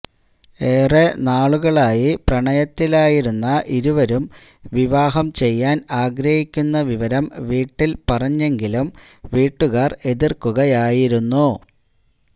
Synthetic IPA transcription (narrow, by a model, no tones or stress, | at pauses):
eːrenaːɭuɣɐɭaːjiprɐɳɐjɐt̪ːilaːjiɾunːɐʔiɾuʋɐɾum | ʋiʋaːɦɐmt͡ɕe̞jːaːnaːɡɾɐhikʲːunːɐʋiʋɐɾɐmʋiːʈːilpɐrɐɲːe̞ŋɡilum | ʋiːʈːuɣaːre̞ðirkuɣɐjaːjiɾunːu